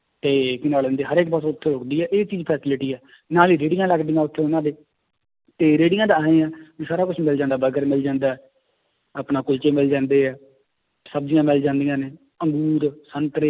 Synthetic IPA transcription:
t̪eːkɪnaːlə̃nd̪eːɦəɾeːk̚basoːʊt̪ʰːẽːɾʊkd̪iːɛːʔeːt͡ʃiːd͡ʒpʰɛːsɪlɪʈiːɛː | naːliːɾeːɖɪjãːləɡd̪ijãːʊt̪ʰːẽːonãːd̪eː | t̪eːɾeːɖɪjãːd̪aːẽːãːd͡ʒiːsaːɾaːkʊt͡ʃʰmɪld͡ʒãːnd̪aːbəɡəɾmɪld͡ʒãːnd̪aːɛː | aːpnãːkʊlt͡ʃeːmɪld͡ʒãːnd̪eːɛː | səb̚d͡ʒɪjãːmɪld͡ʒãːnd̪ijãːneː | əŋɡuːɾsənt̪ɾe

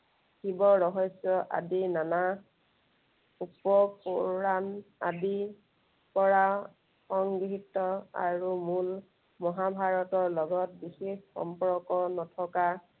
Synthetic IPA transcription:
xibɔɹɔɦɔjsɔʔa̰dinana | upɔpɔɹana̰di | pɔɹa | xɔŋɡitːɔa̰ɹumul | mɔɦabʱaɹɔtɔɹlɔɡɔt̚bixexxɔ̰mpɹɔkɔnɔtʰɔka

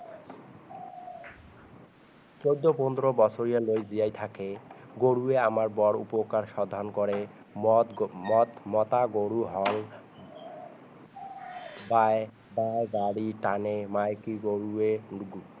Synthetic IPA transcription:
t͡ɕojd̪ːopɔnd̪ɾobɔsʰoɾijalojzijajt̪ʰakeɡoɽueamaɾbɔɽṵpokaɾʃɔd̪ʱːɔnkɔɾe | mɔt̪mɔt̪aɡoɽuɦɔl | bae | baeɡaɽiʈanemajkiɡoɽueɡu

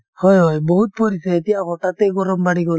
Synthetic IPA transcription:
hɔjɦɔjbɔɦut̪̚pɔɾisaet̪ijakɔʈat̪ɛɡɔɾɔmbaɽiɡɔ

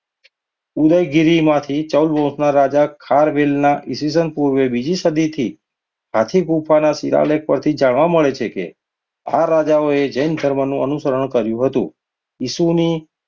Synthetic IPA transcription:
ud̪əjɡiɾimãt̪ʰit͡ʃəwlbɔ̃snaɾad͡ʒakʰaɾʋelnaʔisis̬ənpuɾʋebid͡ʒisəd̪it̪ʰi | ɦat̪ʰikupʰanasiɾa̰lek̚pəɾt̪ʰid͡ʒaɳʋaməɭet͡ʃʰekḛ | aɾad͡ʒaoed͡ʒəjnd̪ʱəɾmənũənusəɾəɳ̃kəɾjũɦət̪ũ | isuni

